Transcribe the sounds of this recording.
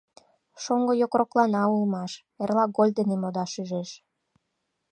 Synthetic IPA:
ʃoŋɡojokroklɑnɑulmɑʃ | erlɑɡolʲd̪enemod̪ɑʃyʒeʃ

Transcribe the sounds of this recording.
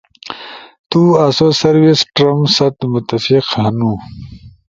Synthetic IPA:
t̪uɐsosɐɾwisʈɾɐmsɐt̪mʊt̪ɐfiqhɐnũ

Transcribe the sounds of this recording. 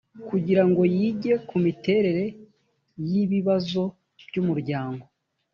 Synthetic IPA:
kuɟiɾaŋɡo̞jiːɟe̞kumite̞ɾe̞ɾe̞ | jiβiβazo̞ | b̥ɟumuɾɟaːŋɡo̞

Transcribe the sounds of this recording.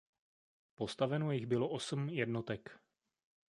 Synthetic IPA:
po̞st̪avɛnojɪɣbɪlo̞ʔosm̩jɛdno̞t̪ɛk

